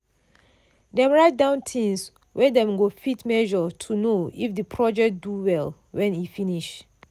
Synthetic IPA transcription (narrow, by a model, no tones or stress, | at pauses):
dɛ̃mɹaɪt̚dãʊ̃ntʰĩns | wʔɛdɛ̃mɡofitmɛʒɔtʰunoifdəpʰɹɔd͡ʒɛk̚duwɛl | wʔɛ̃nifĩniʃ